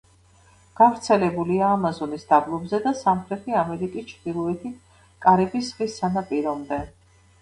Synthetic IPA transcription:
ɡ̥avɾt̪sʰɛlɛbuliaːmazɔnisd̪ablˠɔbzɛd̪asamχɾɛt̪ʰiamɛɾikʼist͡ʃʰɾd̪̥ilˠɔɛt̪ʰit̪̚ʰ | kʼaɾɛbisʁisːanapʼiɾɔmd̪ɛ

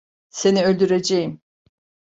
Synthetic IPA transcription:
se̞niølʲd̪yɾed͡ʒejim

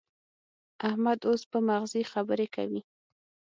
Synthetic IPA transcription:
ahmad̪ospəmaɣzixabəɾeka̰wi

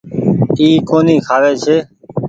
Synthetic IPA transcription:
iːkoːniːkʰaːʋeːt͡ʃʰeː

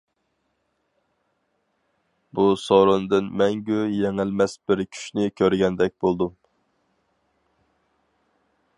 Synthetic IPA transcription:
busoɾɨnd̪ɨnmɛŋɡʲyjeŋɪlmɛsbɪɾkʲʰy̥ʃnɪkʲʰøɾɡʲɛnd̪ɛk̚ʲbolˠd̪um

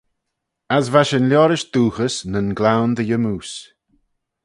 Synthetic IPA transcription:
asvaʃənljɔːɾɪʃd̪̥uːxəsnənɡlawnd̪əjəmuːs

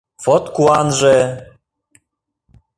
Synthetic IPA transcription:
fɔt̪kuanʒɛ

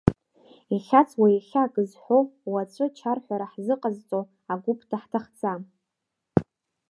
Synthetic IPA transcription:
iχʲat͡sʰwaiχʲaɡʼɨzħʷowwat͡sʷʰʼɨt͡ʃʰarħʷaɾaħzɨqʼazt͡sʼow | aɡʷupʰtʰaħtʰaχt͡sʰʼam

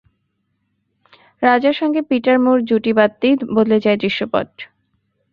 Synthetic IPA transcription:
ɾad͡ʑaɾʃɔŋɡepiʈaɾmuɾd͡ʑuʈibat̪ːiboled͡ʑaed̪ɾiʃːopɔ̰d

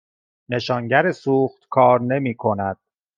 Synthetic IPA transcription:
ne̞ʃɒːŋɟæɾesuːxt̪kʰɒːɾne̞miːkʰo̞næd̪̥̚

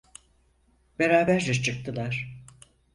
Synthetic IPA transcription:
be̞ɾaːbæɾd͡ʒɛt͡ʃʰɯk̚t̪ʰɯlˠaɾ̥

